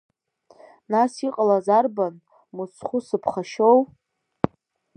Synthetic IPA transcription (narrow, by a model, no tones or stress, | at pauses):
nasiqʼalazarban | mut͡sʰχʷʊsɨpʰχaʃow